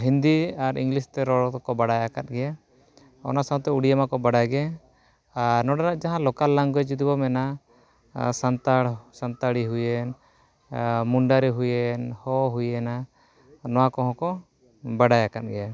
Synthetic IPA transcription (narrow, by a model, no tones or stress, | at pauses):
ɦind̪iaɾḭŋɡlist̪ɛɾɔɽɔt̪ɔkɔbaɽajakat̪̚ɡɛja | ɔ̰nasãwt̪ɛuɽijamakɔbaɽajɡɛ | aɾnɔɖaɾaʔd͡ʒaɦãlɔkalːaŋɡɔɛd͡ʒud̪ibɔmɛna | sant̪aɽsant̪aɽiɦujɛn | muɳɖaɾɛɦujɛnhɔɦujɛna | nɔwakɔɦɔ̃kɔ | baɽajakat̪̚ɡɛja